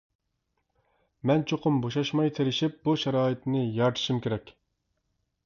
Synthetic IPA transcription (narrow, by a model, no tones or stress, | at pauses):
mɛnt͡ʃʰoqʰʊmboʃɑʃmɑjt̪ʰeɾɪʃip̚buʃɑɾɑːit̪nɪjɑɾt̪ʰɨ̥ʃimkʲʰeɾɛkʲ